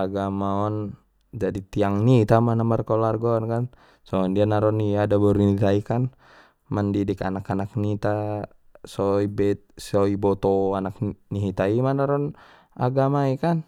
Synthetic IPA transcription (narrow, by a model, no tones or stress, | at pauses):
aɡamaɔn | d͡ʒadit̪iaŋnit̪amanamarkɔlarɡɔnkan | sɔndianaɾɔniadabɔɾinit̪aikan | mandidika̰nakanak̚nit̪a | sɔibɛt̪̚sɔibɔt̪ɔanak̚niɦit̪aimanaɾɔn | a̰ɡamaikan